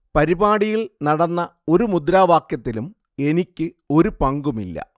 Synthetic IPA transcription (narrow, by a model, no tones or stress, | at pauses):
pɐɾibaːɽijiɭnɐɽɐnːɐo̞ɾumud̪ɾaːʋaːkjɐt̪ːilum | e̞nikʲːɨ | o̞ɾupɐŋɡumḭlːɐ̰